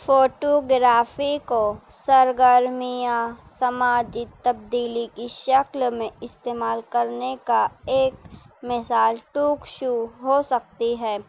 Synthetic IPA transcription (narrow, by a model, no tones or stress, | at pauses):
foːʈoɡɾaːfiko | sɐɾɡəɾmijãsɐmaːd͡ʒit̪ɐb̚d̪iːlikiʃɐklmẽɪst̪eːmaːlkɐɾnekaeːkmɪsaːlʈuːkʃuɦosɐk̚t̪iɦɛː